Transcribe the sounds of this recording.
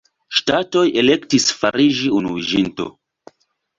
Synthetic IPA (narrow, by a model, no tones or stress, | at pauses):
ʃtato̞je̞le̞ktisfaɾiʒiunuviʒinto̞̰